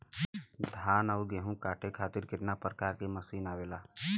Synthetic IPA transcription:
d̪ʱaːnaʊɾɡeɦũkaːʈʰekʰaːt̪ɪɾkɪt̪napɾəkaːɾkemɐsiːnaːweːlaː

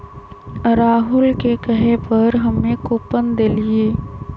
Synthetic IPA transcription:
ɾaːɦʊlkekəɦepəɾɦɐmːẽkoːpənd̪eːlieː

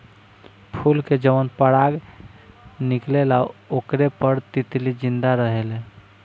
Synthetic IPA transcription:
pʰulked͡ʒəʋənpəɽaɡ | niklelaokɾepəɾt̪it̪lid͡ʒind̪aɾəɦele

